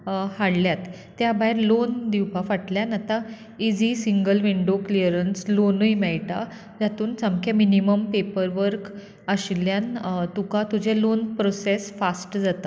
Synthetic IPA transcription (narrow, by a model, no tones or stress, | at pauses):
haɽljat̪ː | jabaiɾlond̪iwpafaʈljanat̪ã | id͡zisiŋɡəlʋiɳɖokliəɾənslonujmɛɭʈa | d͡zat̪uːnt͡samkʰaminiməmpepəɾʋəɾk | əɕljant̪ukãt̪ud͡ʑʱelonpɾosesfasʈd͡zat̪a